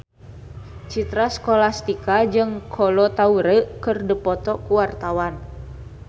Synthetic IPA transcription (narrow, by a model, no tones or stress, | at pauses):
t͡ʃit̪ɾaskolast̪ikad͡ʒɨŋkʰɔlɔt̪auɾəkɨrdəpɔt̪ɔkuwart̪awan